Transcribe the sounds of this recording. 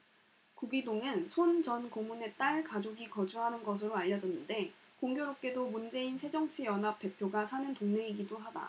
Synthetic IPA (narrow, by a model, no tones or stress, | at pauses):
kuɡidoŋɯnsʰont͡ɕʌnkomune̞t͈aɭkad͡ʑoɡikʌd͡ʑuɦanɯnɡʌs̬ʰɯɾoaʎːʌd͡ʑʌnːɯnde̞ | koŋɡjoɾop̚k͈e̞domund͡ʑe̞insʰe̞d͡ʑʌŋt͡ɕʰijʌnɦap̚t͈e̞pʰjoɡasʰanɯntoŋne̞ŋiɡidoɦada̰